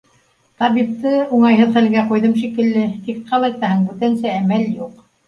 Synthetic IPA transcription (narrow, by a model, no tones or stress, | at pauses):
t̪ɑβiqt̪ːɤuɴɑjɦɤðχælɡæqujðɤmʃikɘ̆lːɘt̪iqqɑlˠɑjt̪ɑhɤɴbɵ̆t̪ænsɘæmæljuq